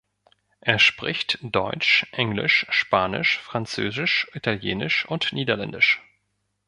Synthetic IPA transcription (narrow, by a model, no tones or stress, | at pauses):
ʔeːɐʃpʁ̥ɪçtd̥ɔʏt͡ʃʔɛŋlɪ̰ʃʃpaːnɪ̰ʃfʁ̥ant͡sø̰ːzɪʃʔitʰaljeːnɪʃʊntniːdɐlɛndɪʃ